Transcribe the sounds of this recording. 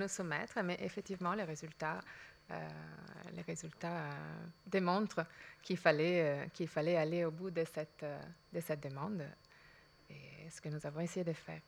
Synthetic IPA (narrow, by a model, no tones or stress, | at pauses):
nusumɛt̪χəmɛʔefɛk̚t̪ivmɑ̃leʁezylt̪aø̰ | lḛʁezylt̪a̰ | d̪emɔ̃t̪χəkʰilfalɛkilfalɛaleobud̪əsɛt̪d̪əsɛt̪̚d̪əmɑ̃d̪ | esə̥kənuzavɔ̃esejed̪əfɛ̰ːʁ